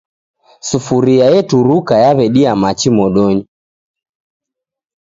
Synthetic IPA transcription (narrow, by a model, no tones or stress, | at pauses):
sufuɾiajɛtuɾukajaβɛɗiamat͡ʃimɔɗɔɲi